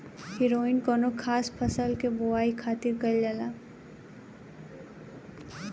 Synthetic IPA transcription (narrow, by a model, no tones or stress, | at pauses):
hɪɾoːinkɔːnokʰaːspʰəsəlkebowaːikʰaːt̪ɪɾkəld͡ʒəla